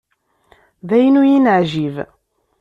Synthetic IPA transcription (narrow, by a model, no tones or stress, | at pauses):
ðæjənujinʕʒiv